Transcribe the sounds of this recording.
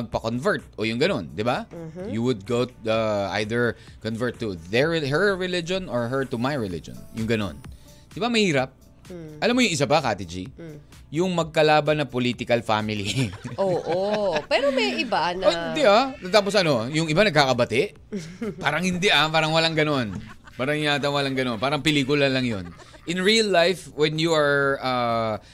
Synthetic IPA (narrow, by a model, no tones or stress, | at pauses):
mɐɡ̚pɐkonvɛɹt̪̚ʔojʊŋɡɐno̞nd̪ɪbajuwʊd̪̚ɡowaʔa̰jðɛɹkɔnvɛɹt̪ːʊðɛɹɦɛɹɹɪlɪd͡ʒõnɔɹɦɛɹt̪ʊmajɹɪlɪ̰d͡ʒɔ̰njʊŋɡɐno̞̰n | d̪̥ɪbamɐhiːɾɐp̚ | ʔɐlamːojʊŋʔɪs̬abaka̰ːt̪ɪd͡ʒḭ | jʊŋmɐɡ̚kɐlaːbɐnːɐpoliːt̪ɪkɐlfa̰ːmɪliʔoːʔopɛːɾomɐjɪband̪ɪat̪ɐt̪aːposʔɐno̞jʊŋɪbanɐɡ̚kakɐbɐt̪ɪʔ | paːɾɐŋhɪnd̪ɪʔapaːɾɐŋwɐlaŋɡɐno̞n | paːɾɐŋjaːt̪ɐnwɐlaŋɡɐno̞npaːɾɐŋpɪliːkʊlɐlɐŋjo̰n | ʔɪnɹiɐlːajfwɛnjuɐɹɐ